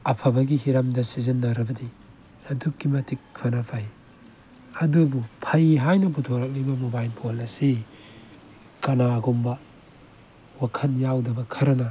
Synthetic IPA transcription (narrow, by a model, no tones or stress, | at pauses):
ɐpʰɐbɐɡiɦiɾamdɐsizɐnːaɾɐbɐdi | ɐdukːimɐtik̚pʰɐnapʰaj | ɐdubupʰɐjɦajnɐbutʰoɾɐk̚libɐmubajnpʰolɐsi | kɐnaɡumbɐ | wakʰɐnjawdɐbɐkʰɐɾɐnɐ